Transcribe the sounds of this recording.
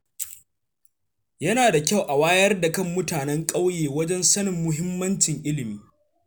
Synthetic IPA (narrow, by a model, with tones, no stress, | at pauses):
jɐ˦naː˨da˨kʲa˦˨wʔa˨waː˦jɐ˦rda˨kɐ˦˨mːʊ˦taː˨nɛ˦ŋkʼa˦wjeː˨wɐ˦d͡ʒɛ˦nsɐ˦nɪ˨mːʊ˦ɦɪ˦mːɐ˦nt͡ʃɪ˨ŋʔɪ˦lɪ˨miː˦